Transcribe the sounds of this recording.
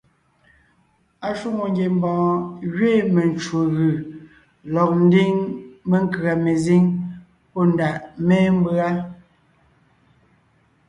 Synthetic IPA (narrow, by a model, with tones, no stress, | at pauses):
a˨ʃu˦˨ŋo˨ŋɡje˨m˦bɔ̃ː˨ɣɥeː˦˨me˨nt͡ʃo˨ɣɯ˨ | lɔ˨k̚n̩˦di˦ŋme˨ŋ˦˨kɰa˨me˨zi˦ŋ | pɔ˦˨n˨da˨ʔmɛː˦m̩˦ba˦